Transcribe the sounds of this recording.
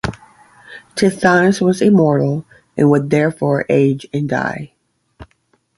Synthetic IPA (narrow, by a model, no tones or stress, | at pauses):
tʰɪθãswʌzɨmɔɹɾl̩ˠ | ɨ̰̃nwəd̪̚ðɛɹfɔɹʔeɪd͡ʒɨ̃nda̰ɪ